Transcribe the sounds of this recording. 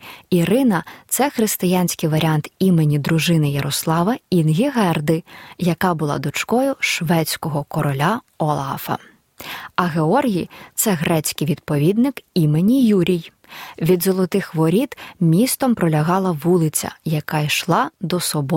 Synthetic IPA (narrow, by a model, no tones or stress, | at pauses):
iɾɪnɐt̪sɛxɾɪst̪ɪjanʲsʲkɪjʋɐɾʲiant̪imenʲid̪ɾʊʒɪnɪjɐɾɔslˠɑʋɐinɦʲiɦɛrd̪ɪjɐkɑbʊlˠɑ̰d̪ʊt͡ʃkɔjʊʃʋɛt͡sʲkɔɦɔkɔɾɔlʲaɔlˠɑ̰fɐ̰ | ɐɦeɔrɦʲijt̪sɛɦɾɛt͡sʲkɪjʋʲid̪pɔʋʲid̪nɪkimenʲijuɾʲij | ʋʲid̪zɔlˠɔt̪ɪxʋɔɾʲid̪̥mʲist̪ɔmpɾɔlʲɐɦɑlˠɐʋulˠɪt͡sʲɐ̰jɐkaiʃlˠɑd̪ɔsɔbɔ